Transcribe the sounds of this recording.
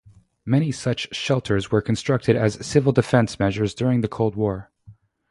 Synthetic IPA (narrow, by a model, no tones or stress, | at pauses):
mɛɾ̃isʌt͡ʃʃɛlˠtʰə˞zwə˞kʰn̩stɹ̥ʌk̚tʰɨɾɨz̥sɪvl̩ˠdɨfɛ̃nsmɛʒə˞zdʊɹɪ̃ŋðɨkʰoʊlˠd̚wɔɹ